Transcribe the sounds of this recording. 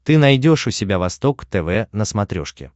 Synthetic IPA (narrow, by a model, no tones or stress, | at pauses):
t̪ɨnɐjdʲo̞ʂʊsʲɪbʲavɐst̪o̞kt̪ɛvɛnəsmɐt̪ɾʲo̰ʂkʲɪ̰